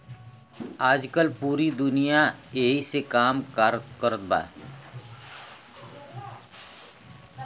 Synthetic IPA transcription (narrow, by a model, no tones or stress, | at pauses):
aːd͡ʒkəlpuːɾid̪ʊnijaeːɦisekaːmkaɾkəɾət̪̚ba̰ː